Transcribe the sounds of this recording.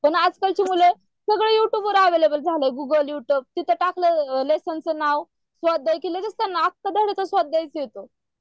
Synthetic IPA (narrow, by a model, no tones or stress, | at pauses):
pəɳad͡zkalt͡ɕimule | səɡɭejuʈjuːbʋəɾaʋelebəld͡zʱaleɡuɡəljuʈjuːb̚t̪it̪ʰəʈakləlesənt͡sənaw | sʋad̪ːajkeled͡zəst̪ənak̚t̪əd̪əɽət̪əsʋad̪̚ːajt͡səjot̪o